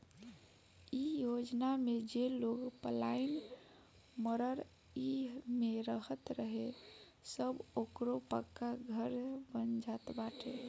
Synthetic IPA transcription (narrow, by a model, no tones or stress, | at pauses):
ijod͡ʒnamed͡ʒeloɡpəlain | məɾəɾ | iɦmeɾəɦət̪ɾəɦe | səbokɾopəkːaɡʱəɾbənd͡ʒat̪baʈʰḛ